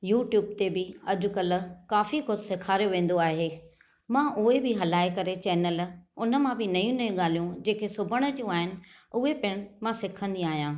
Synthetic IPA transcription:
juːʈjuːb̚t̪ebɪɐd͡ʑʊ̆kɐl̆kaːfikʊsɪkʰaːɾijoʋẽːn̆d̪oaːɦeː | mãʔʊɦebɪɦɐlaːekɐɾet͡ɕɛːnəlʊnəmãbɪnɐjũnɐjũɠaːl̤ijũd͡ʑeːkʰesʊbʱəɽ̃ə̆d͡ʑiũaːɦɪnɪ̆ʊɦepɪɽ̃mãsɪkʰə̃nd̪iaːɦijãː

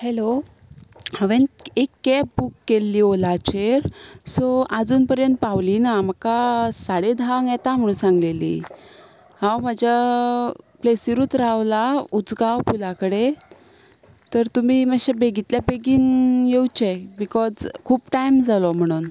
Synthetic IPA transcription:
helo | haʋenekːɛpbukːelːiːolat͡ɕeɾsoad͡zuːnpəɾjənt̪̚pawliːnaməkasaɽed̪ʱaŋjɛt̪am̤əɽ̃uːnsãŋɡlelḭː | hãwmad͡ʑʱja | plesiɾuːt̪ɾaʋlaud͡zɡawpulakəɽe | t̪əɾt̪um̤iːməɕebeɡit̪ljabeɡiːnjewt͡ɕɛbikɔd͡zkʰuːpʈajmd͡zalɔm̤əɽ̃uːn

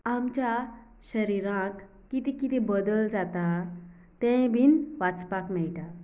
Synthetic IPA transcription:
amt͡ɕja | ɕəɾiɾãkː | it̪ikit̪ebəd̪əld͡zat̪a | t̪ɛ̃bʱiːnʋat͡spakmɛɭʈa

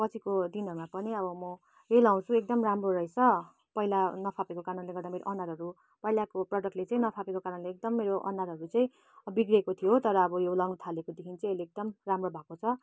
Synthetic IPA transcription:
pʌt͡sʰikod̪inɦʌɾumapʌniʌbʌmʌ | elaw̃t͡sʰũek̚d̪ʌmramroɾʌet͡sʰʌ | pʌɦilanʌpʰapekokanunleɡʌrd̪ameɾo̰ʔʌnaɾɦʌɾu | pʌɦilakoprʌɖʌk̚ʈlet͡sãĩnʌpʰapekokaɾʌnleek̚d̪ʌmːeɾoʔʌ̰naɾɦʌɾut͡sãĩ | biɡɾekot̪ʰijot̪ʌɾʌːbʌjolawnut̪ʰalekod̪ekʰint͡saĩelek̚d̪ʌmramrobʱakot͡sʰʌ

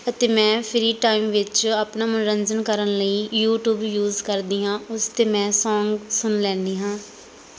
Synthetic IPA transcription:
ət̪eːmɛ̃ːpʰɪɾiːʈaːimʋɪt͡ʃaːpnaːmʊnɾənd͡ʒənkəɾənləiːjuːʈjuːbjuːzkəɾd̪iːɦãːʊst̪eːmɛ̃ːsɔːŋɡsʊnlɛ̃ːnd̪iːɦãː

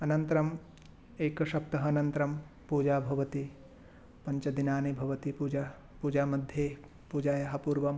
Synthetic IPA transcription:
ɐnɐnt̪ɐɾɐm | eːkɐʃɐp̚t̪ɐɦɐːnɐnt̪ɐɾɐm | puːd͡ʒaːbʱɐʋɐt̪i | pɐɲt͡ʃɐd̪inaːnibʱɐʋɐt̪ipuːd͡ʒa | puːd͡ʒaːmɐd̪ʱjeː | puːd͡ʒaːjɐɦɐpuːɾʋɐm

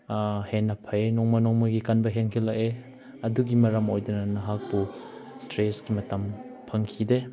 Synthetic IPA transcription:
henɐpʰajnɔŋmɐnɔŋmoɡikanbɐɦeŋkʰilɐke | ɐduɡimɐɾɐmojdɐnɐnɐɦak̚bustɾesɡimɐtɐm | pʰɐŋkʰide

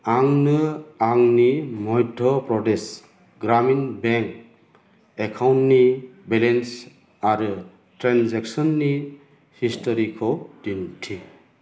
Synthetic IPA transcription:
aŋnɯaŋnimɔjdʱɔpɾɔdes | ɡɾaminbeŋk̚ | ekʰawntnibelens | aɾɯ | tɾanzeksɔnːi | histʰɔɾikʰɔdintʰi

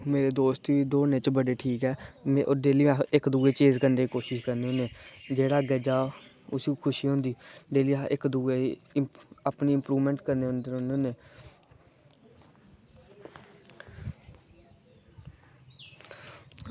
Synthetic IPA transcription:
meːɾeːd̪oːst̪iːd̪oːneːt͡ʃbəɖeːʈʰiːkɛːm̃ʔʊd̪eːlĩːɪkd̪uːeːt͡ʃeːzkəɾndeːkiːkoːʃɪʃkəɾneoːneːd͡ʒeːɽaːɡəd͡ʒaː | ʊsiːkʰʊʃiːɦõnd̪iːd̪eːliːaɪkd̪ueː | apniːɪmpɾuːʋmɛ̃ːɳʈkəɾneːʊnd̪eoneːneː

